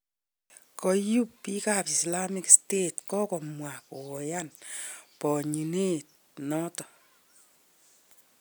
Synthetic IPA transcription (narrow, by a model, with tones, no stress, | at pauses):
kɔ˧ju˦ppi˦kapi˨sla˦mi˦kstetkɔ˦kɔ˨mwa˨kɔ˨ɔ˨janpɔ˨ɲi˨ne˦t̚ | nɔ˦tɔ˨